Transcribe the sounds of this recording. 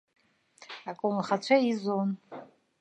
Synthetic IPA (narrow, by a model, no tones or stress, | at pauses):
akʼumχat͡ɕʷʰaizon